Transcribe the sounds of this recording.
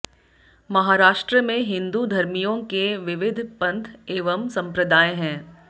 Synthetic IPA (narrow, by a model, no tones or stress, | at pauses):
mɐɦaːɾaːʃʈɾəmẽɦɪ̃nd̪ud̪ʱɐɾmijõkeʋɪʋɪd̪ʱpɐ̃nt̪ʰeːʋəmsɐ̃mpɾəd̪aːẽɦɛ̃ː